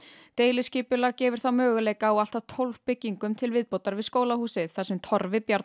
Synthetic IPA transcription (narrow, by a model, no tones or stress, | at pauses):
t̪eːjlɪsciːpʏlaɣcɛːvʏɾ̥θawmœːɣʏleːjkaɔwɣal̥t̪ḁt̪ʰowlv̥pɪcːiŋkʏmt̪ʰɪlvɪðpowt̪aɾvɪðskoːwlahuːsɪðθasɛmt̪ʰɔɾvɪpjaɾt̪